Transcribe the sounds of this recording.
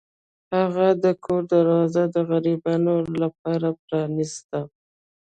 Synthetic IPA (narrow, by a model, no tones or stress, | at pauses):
haɣad̪əkʰoɾd̪aɾwɑzad̪əɣaɾibɑnolap̚ɑɾapɾɑnist̪a